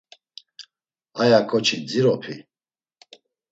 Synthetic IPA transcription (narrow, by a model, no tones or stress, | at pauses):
ajakʼɔt͡ʃʰid͡ziɾɔpʰi